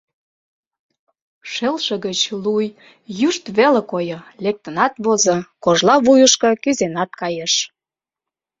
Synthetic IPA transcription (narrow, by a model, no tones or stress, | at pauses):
ʃelʃə̆ɣət͡ɕluj | jyʃt̪βelekojəlek̚t̪ənɑt̪βozɤ̆koʒlɑβujəʃkɤ̆kyzenɑt̪̚kɑjeʃ